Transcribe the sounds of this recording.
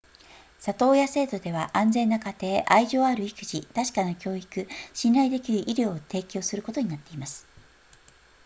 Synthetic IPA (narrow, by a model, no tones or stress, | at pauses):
sat̪o̞ːjase̞ːt̪o̞d̪e̞β̞aʔãnd͡zẽ̞nːakat̪e̞ːʔaiʑo̞ːaɾɯ̟ikɯ̟ʑit̪aɕi̥kanakʲo̞ːikɯ̟ɕinaid̪e̞kʲiɾɯ̟ʔiɾʲo̞ːt̪e̞ːkʲo̞ːsɨɾɯ̟kot̪o̞ɲ̟inat̪ːe̞imasɨ̥